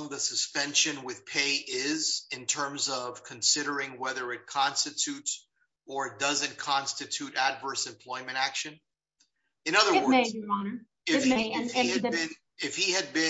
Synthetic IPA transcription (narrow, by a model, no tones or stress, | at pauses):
ŋðɨsɨspɛ̃nʃɨ̃nwɪð̥pʰeɪʔɪzɨ̃ntʰɜ̃˞mzʌv̥kʰɨ̃n̩sɪɾə˞ɪ̃ŋwɛðə˞ɨt̚kʰɑ̃nstɨtʰʉts | ə˞ɨt̚d̥ʌzɨ̃nkʰɑ̃nstɨtʰʉɾædvɜ˞sɨ̃mpʰl̥ɔɪmɨ̃ɾ̃ækʃɨ̃n | ɨ̃nʌðə˞wɜ˞n | ɪffiɨɪ̃n | ɪfhiɨd̚bɪ̃